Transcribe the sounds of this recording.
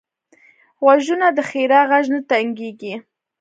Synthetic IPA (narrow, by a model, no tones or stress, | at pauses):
waʒunad̪əxeɾɑɣaʒnat̪aŋɡeɡi